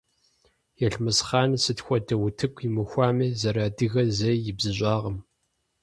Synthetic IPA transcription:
jɛɬmɨsχɑːnɨsɨtxʷɔdɐwʊtʰɨkʷʰʼjimɨxʷɑːmizɐɾaːdɨɣɐzɐjjɪbzɨɕʷʼɑːʁɐm

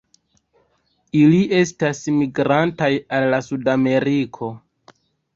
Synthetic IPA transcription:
iliʔe̞stasmiɡɾantajalːasudame̞ɾikʰo̞

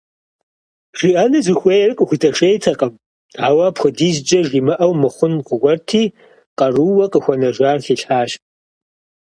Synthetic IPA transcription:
ʒ̥iʔɐnɨzʷɪxʷejrɨkʼxʷitʰɐʂejtʰɐqʼɐm | aːwɐpʰxʷʊdiːzd͡ʒʼɐʒiːmɨʔɐwmɨχʷʊnqʷʊɡʷɔrtʰiː | qʼɐruwɐqʼəxʷɐnɐʒaːrɬiːɬħaːʃ

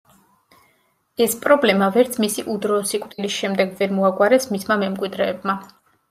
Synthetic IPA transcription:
ɛspʼɾɔblɛmavɛɾt̪sʰmisiʔud̪ɾɔːsikʼwt̪ʼilisʃɛmd̪ɛɡvɛɾmɔaɡwaɾɛsmismamɛmkʼwid̪ɾɛːbma

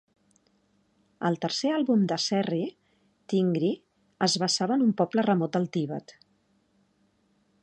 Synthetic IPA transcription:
əlˠt̪əɾsealˠβumd̪əsɛri | t̪iŋɡɾi | əzβəsaβəːnumpɔplərəmɔt̪əlˠt̪iβə̰t̪

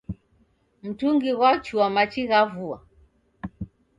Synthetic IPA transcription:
m̩tuŋɡiɣwat͡ʃuamat͡ʃiɣavua̰

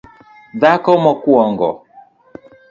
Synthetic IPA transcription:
ðakɔmɔkuɔŋɡɔ̰

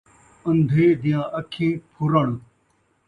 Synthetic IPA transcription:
ənd̪ʱeːd̪ɪjãːʔəkʰĩːpʰʊɾəɳ̃

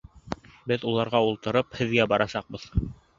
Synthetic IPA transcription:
bɘðulˠɑɾʁɑulˠt̪ɤ̆ɾɤphɘ̆ðɡæbɑɾɑsɑq̚bɤð

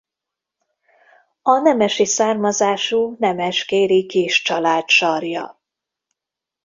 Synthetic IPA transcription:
ɒnɛmɛʃisaːrmɒzaːʃuːnɛmɛʃkeːɾikiːʃt͡ʃɒlaːt̪ʃɒrjɒ̰

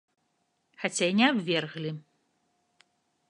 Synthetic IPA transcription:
xat͡sʲajnʲɛabvʲɛrɣlʲi

